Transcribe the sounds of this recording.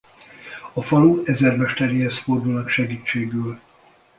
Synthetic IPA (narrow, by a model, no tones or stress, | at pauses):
ɒfɒluɛzɛrmɛʃt̪ɛɾihɛst̪fo̞rd̪ulnɒkʃɛɡiːt͡ʃːeːɡyːl